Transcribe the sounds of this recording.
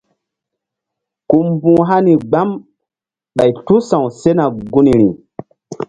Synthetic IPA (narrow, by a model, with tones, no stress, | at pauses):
ku˨mbũː˨ɦa˦ni˨ɡ͡ba˦m | ɓa˨jtu˦sã˨wse˦na˨ɡu˦ni˨ɾi˨